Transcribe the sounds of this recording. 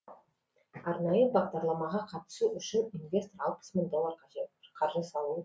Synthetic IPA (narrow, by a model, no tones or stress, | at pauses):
ɑɾnɑjəbɑʁd̪ɑɾlˠɑmɑʁɑqʰɑt̪ə̥suʔʏʃɪninvʲe̞st̪oɾɑlˠqʰə̥smənd̪olˠɑɾqʰɑʒet̪ːqʰɑɾʒəsɑlˠuə